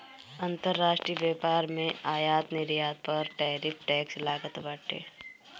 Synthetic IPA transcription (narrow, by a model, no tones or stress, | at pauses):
ɐ̃nt̪əɾːaːʃʈɾijbjɛːpaːɾmẽaːjaːt̪nɪɾjaːd̪̚pɐɾʈɛːɾɪpʰʈɛːkslaːɡət̪baʈḛː